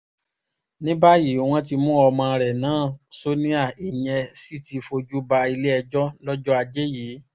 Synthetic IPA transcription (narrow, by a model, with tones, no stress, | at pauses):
nĩ˦ba˦jiː˨˦w̃ɔ̃˦ti˧mũ˦ɔ˧mã˧ɾɛ˨nãː˨˦˨so˦nĩ˦a˦˨i˨jɛ̃˧si˦˨ti˨˧fo˧d͡ʒu˦ba˧i˧le˦ɛ˧d͡ʒɔ˦lɔ˦d͡ʒɔ˦a˧d͡ʒe˦jiː˨˦